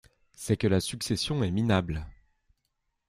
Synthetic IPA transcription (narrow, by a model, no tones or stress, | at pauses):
sɛkəlasyksesjɔ̃ɛminabl